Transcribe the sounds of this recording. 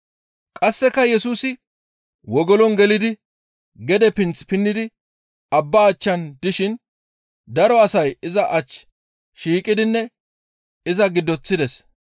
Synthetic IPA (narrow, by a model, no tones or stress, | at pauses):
kʼɐsːɛkːɐjɛsuːsɪ | wɔɡɔlɔnɡɛlɪd̪ɪ | ɡɛd̪ɛpɪnt͡spɪnːɪd̪ɪ | ɐbːaːt͡ʃːɐnd̪ɪʃɪn | d̪ɐɾɔɐsɐjɪzɐʔɐt͡ʃː | ʃiːkʼɪd̪ɪnːɛ | ɪzɐɡɪd̪ːɔt͡sːɪd̪ɛs